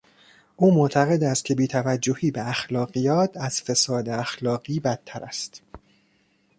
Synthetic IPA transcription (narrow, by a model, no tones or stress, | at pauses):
ʔuːmoʔt̪ʰæɣe̞d̪æst̪̚cʰe̞biːt̪ʰævæd͡ʒːohiːbeæxlɒːɣiːjɒːt̪ʰæz̥fe̞sɒːd̪eæxlɒːɣiːbæt̪ʰːæɾæ̰st̪